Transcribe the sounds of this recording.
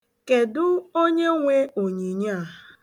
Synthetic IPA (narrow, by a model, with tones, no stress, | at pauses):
ke˨dʊ˦o˦ɲe˦ŋʷe˦o˨ɲi˨ɲa˦˨